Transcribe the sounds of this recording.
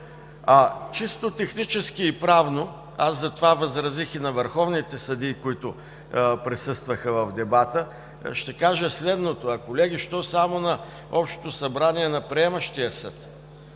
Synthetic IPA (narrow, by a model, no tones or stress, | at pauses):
ɐt͡ʃist̪ot̪ɛxnit͡ʃɛskiːpɾavno | azzɐt̪ovavɐzɾɐzixinɐvəɾxɔvnit̪ɛsɐd̪ikoit̪ʊ | pɾɛsɤst̪vəxəvɐvd̪ɛbat̪ə | ʃt̪ɛkaʒəslɛd̪not̪oɐkolɛɡʲiʃt̪ɔsamonɐ | ɔpʃt̪o̥t̪osɐbɾaniɛnɐpɾiɛmɐʃt̪ijəsə̰t̪